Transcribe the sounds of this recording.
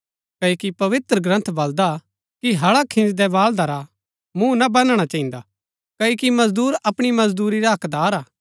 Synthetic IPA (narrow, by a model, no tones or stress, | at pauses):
kɐːokipɐʋɪt̪ɾəɡɾɐ̃nt̪ʰbɐld̪a | kiɦɐɽakʰɪ̃nd͡ʒd̪ɛʋaːld̪aɾa | mũnabɐnɽ̃at͡ʃɐːĩnd̪a | kɐokimɐzd̪uːɾɐpɽ̃imɐzd̪uːɾiɾaɦɐkd̪aːɾaː